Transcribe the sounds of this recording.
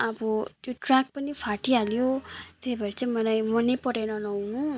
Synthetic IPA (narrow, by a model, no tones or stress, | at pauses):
ʌbʌt̪joʈrak̚pʌnipʰaʈialjot̪ejbʌɾit͡saĩmʌlajmʌnepʌɾenʌnʌwnũ